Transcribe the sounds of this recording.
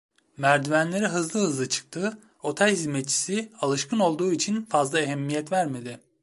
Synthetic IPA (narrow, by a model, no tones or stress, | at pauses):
mæɾd̪yvænlʲe̞ɾiɦɯzlˠɯhɯzlˠɯt͡ʃʰɯ̥k̚t̪ʰɯ | o̞t̪ʰɛlʲhizmɛt̪̚t͡ʃʰi̥sialˠɯʃkʰɯno̞lˠd̪uːit͡ʃʰinfazlˠaeɦɛmːijɛt̪væɾme̞d̪ɪ